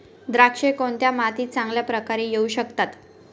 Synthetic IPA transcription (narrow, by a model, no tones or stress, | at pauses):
d̪ɾakʂekoɳt̪jamat̪iːt͡sãŋɡljapɾəkaɾejeuɕəkt̪at̪